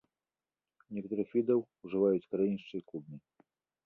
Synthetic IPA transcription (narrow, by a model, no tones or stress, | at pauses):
nʲɛkɐt̪uɾɨxvʲid̪ɐwuʐɨvajut͡sʲkɐɾajinʲiʂt͡ʂɨjklˠubnɨ